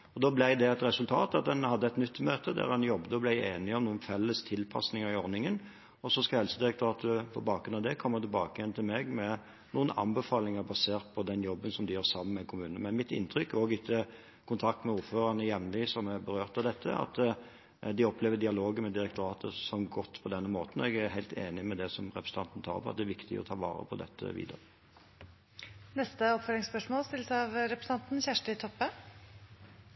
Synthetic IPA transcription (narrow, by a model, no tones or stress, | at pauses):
ɔd̪oːblæɪd̪ɛɛt̪ɾɛsʉlt̪ʰɑːt̪ɑt̪̚d̪ɛnhɑd̪ːəɛt̪nʏt̪ːmøːt̪əd̪æ̰ːʁɾhɑnjɔbd̪əɔblæɪeːnɪɔmnuːənfɛlːəst̪ʰɪlpʰɑ̰snɪŋəɾɪɔɾnɪŋən | ɔsɔskɑhɛlsəd̪ɪɾɛkt̪ʰʊɾɑːt̪əəpʰɔ̰bɑːkɡɾʉnɑʋd̪ɛkʰɔmːət̪ɪlbɑːkəjɛnt̪ʰɪlmɛɡmɛ | nuːənɑ̰nbəfɑːlɪŋəbɑseːʁt̪̚pʰɔd̪ɛnjɔbːənsɔmd̪ɪjøːɾsɑmːənmɛkʰʊmʉːnənəmɛnmɪt̪ɪ̰nt̪ʰɾʏkːoːɡɪt̪ʰːə | kʰʊnt̪ʰɑk̚t̪mɛuːɾføːʁɑnəjɛmnlɪsɔmɛbəɾøːʁt̪ɑʋd̪ɛt̪ʰːə̰ɑ̰t̪ | d̪ɪɔpʰleːʋəd̪ɪɑloːɡəmɛd̪ɪɾɛk̚t̪ʊɾɑːt̪ʰəsɔmɡɔt̪ːpʰɔd̪ɛnːəmoːt̪n̩ɔɛɡæɾɦæɪlt̪ʰeːnɪmɛd̪ɛsɔmʁɛpɾəsn̩t̪ɑnt̪ən̩t̪ʰɑ̰ːɾpʰɔɑt̪̚d̪ɛæɾʋɪkt̪ɪ̰ɔ̰t̪ʰɑːʋɑ̰ːɾə̰pʰɔd̪ɛ̰t̪ʰːə̰ʋḭːd̪ə̰ɾə | nɛst̪əɔpfœɾlɪŋspœʂmoːlst̪ɪlːəsɑʋɾɛpɾəsn̩ɑnt̪n̩çæʂʈət̪ʰɔpːə